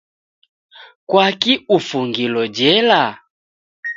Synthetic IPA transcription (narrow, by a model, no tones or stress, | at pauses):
kwakiufuŋɡilɔd͡ʒɛla